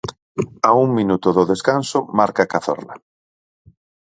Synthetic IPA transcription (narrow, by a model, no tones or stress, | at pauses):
auŋminut̪ʊðʊðeskansʊmaɾkakaθɔ̰ɾla̰